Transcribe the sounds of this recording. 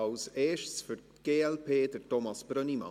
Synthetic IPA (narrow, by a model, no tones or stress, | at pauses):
ɑlseːʃtsfyɾtɡ̥eːɛlpʰeːdətɔmɑsb̥ɾœnimɑ̰